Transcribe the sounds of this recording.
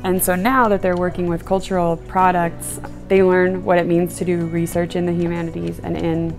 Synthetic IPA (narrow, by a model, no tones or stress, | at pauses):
ɨ̃nsoʊnaʊðɨt̪̚ðə˞wɜ˞kɪ̃ŋwɪð̥kʰʌlˠt͡ʃə˞l̩ˠpʰɹ̥ɑɾək̚ts | ðeɪlɜ̃˞nwʌɾɨt̚mĩnz̥tʰɨdɨɹisɜ˞t͡ʃɨ̃nðɨɦjʉmænɨɾḭzɨ̰̃nɪ̃n